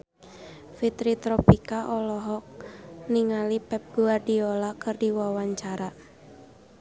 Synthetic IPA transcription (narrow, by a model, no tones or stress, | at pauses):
fit̪ɾit̪ɾɔpikaʔɔlɔɦɔk̚niŋalipɛp̚ɡ̥uardiolakɨrdiwawaɲt͡ʃaɾa